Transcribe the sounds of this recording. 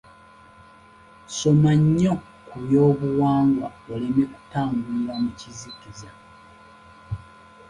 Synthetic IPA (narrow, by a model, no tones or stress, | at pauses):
so̞maɲːo | kuβjo̞ːβuwaːŋɡwa̰olemeku̥taːŋɡulwamucizikiza